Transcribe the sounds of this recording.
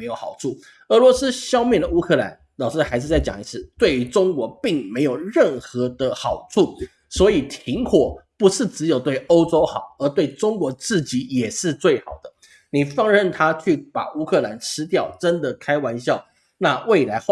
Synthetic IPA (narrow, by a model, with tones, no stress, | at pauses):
me˧˥ɪjo˧˥˩xɑ˨˩ʊʈ͡ʂʰu˥˩ | ɤ˧˥lwɔ˧˥sɹ̩˥ɕjɑ˥˧ʊmjɛ˥˩nd̪ə˩u˥kʰɤ˥˧˩la̰˧˦n | lɑ˨˩ʂɻ̩˥˩xa˧˥ɪʂɻ̩˥˧t͡sa˥˩ɪt͡ɕjɑ̰˨˩ŋi˧˥sʰɻ̩˥˩t̪we˥˩ɪy˧˥ʈ͡ʂʊ˥ŋkwɔ˧˥pi˥˩ŋme˧˥ɪjo˨˩ʊɻə˥˩nxɤ˧˥d̪ə˧xɑ˨˩ʊʈ͡ʂʰu˥˩ | swɔ˧˥i˨˩t̪ʰi˧˥ŋkʰwɔ˨˩pu˧˥ʂɻ̩˥˩t͡sɻ̩˧˥jo˨˩ʊt̪we˥˩ɪo˥ʊʈ͡ʂo˥ʊxɑ˨˩ʊə˞˧˥t̪we˥˩ɪʈ͡ʂʊ˥ŋkwɔ˧˥t͡sɹ̩˥˩t͡ɕi˧˥jɛ˨˩ʂɻ̩˥˧t͡swe˥˩ɪxɑ˨˩ʊd̪̥ə˦ | ni˨˩fɑ˥˧ŋɻə˥˩nt̪ʰa˥t͡ɕʰy˥˩pa̰˨˩u˥kʰɤ˥˧la˧˥nʈ͡ʂʰɻ̩˧˥t̪jɑ˥˩ʊʈ͡ʂə˦˥nd̪ə˨kʰa˥ɪwa˧˥nɕjɑ˥˩ʊ | na˥˧we˥˩ɪla˧˥ɪ˥